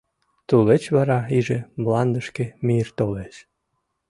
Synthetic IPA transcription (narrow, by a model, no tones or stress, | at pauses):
t̪ulet͡ɕβɑɾɑiʒemlɑnd̪əʃkemirt̪oleʃ